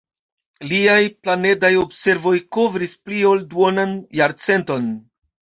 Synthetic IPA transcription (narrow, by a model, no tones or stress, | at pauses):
liajplane̞dajo̞bse̞ɾvo̞jko̞vɾisplio̞lduonanjaɾt͡se̞nto̞n